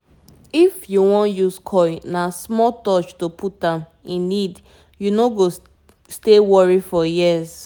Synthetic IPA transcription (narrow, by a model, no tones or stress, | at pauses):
ifjuwɔ̃njuskʰɔjnasmɔtɔt͡ʃtopʰutãm | ĩnːid | junoɡo | stewɔɹifɔjiz